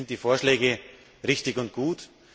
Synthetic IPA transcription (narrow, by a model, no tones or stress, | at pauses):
nt̚d̥iːfoːɐʃlɛːɡə | ʁɪçtɪçʊnt̚ɡ̥uːt